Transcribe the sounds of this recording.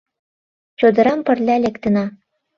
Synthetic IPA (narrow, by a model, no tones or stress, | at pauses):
t͡ɕod̪ɤ̆ɾɑmpə̆rlʲælʲekt̪ə̆nɑ